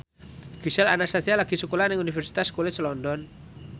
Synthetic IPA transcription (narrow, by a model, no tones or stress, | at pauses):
kisɛla̰nasat̪ʰialakisukulanɛŋunifɛrsi̥t̪askɔlɛslɔndɔn